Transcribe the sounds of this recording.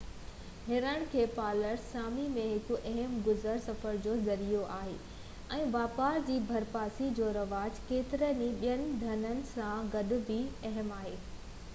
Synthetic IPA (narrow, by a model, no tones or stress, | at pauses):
ɦɪɾəɽ̃kʰeːpaːləɾsaːmimẽɦɪkʊ̆ʔɐɦəmɡʊzəɾsɐfəɾd͡ʑoːzɐɾijoʔaːɦḛː | ɛ̃ːʋaːpaːɾd͡ʑiːbʱɐɾpaːsid͡ʑoːɾɐʋaːd͡ʑkeːt̪ɪɾəniɓijənɪ̆d̪ʱɐnənɪ̆sãɡɐd̪ʊ̆biɐɦəmaːɦeː